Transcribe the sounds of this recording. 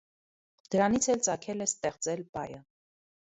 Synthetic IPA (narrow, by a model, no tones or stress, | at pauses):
d̪̥əɾɑnit͡sʰɛlt͡sɑkʰɛlɛst̪ɛχt͡sɛlpɑjə